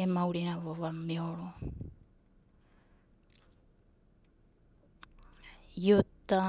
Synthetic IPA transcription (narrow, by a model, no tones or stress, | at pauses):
emawɾenavovameoɾo | iot̪a